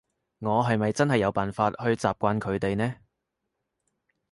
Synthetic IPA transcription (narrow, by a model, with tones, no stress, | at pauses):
ŋɔː˨˧ɦɐ˨jmɐ˨jt͡sɐ˥nhɐ˨jːɐ˨˧wpaː˨nfaː˧t̚hɵ˧ɥt͡saː˨p̚kʷaː˧nkʰɵ˨˧ɥt̪e˨jnɛː˥